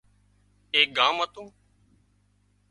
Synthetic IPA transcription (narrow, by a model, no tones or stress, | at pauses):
eːk̚ɡãːmɦət̪ũː